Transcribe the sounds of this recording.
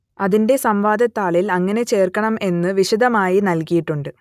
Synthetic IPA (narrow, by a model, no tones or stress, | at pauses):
ɐðinde̞sɐmʋaːd̪ɐt̪ːaːɭilɐŋːɐne̞t͡ɕe̞ːrkɐɳɐme̞nːɨʋiɕid̪ɐmaːjinɐlkijiʈːuɳɖɨ